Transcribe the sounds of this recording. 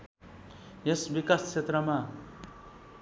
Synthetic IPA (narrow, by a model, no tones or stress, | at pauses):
jesbikast͡ʃʰet̪rʌma